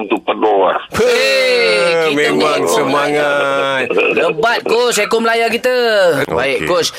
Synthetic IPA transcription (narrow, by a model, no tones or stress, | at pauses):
nt̪upədoa̰p | mẽmãŋsəmaŋat̪̚ləbat̪̚kosekʊməlajakit̪əbaiʔkos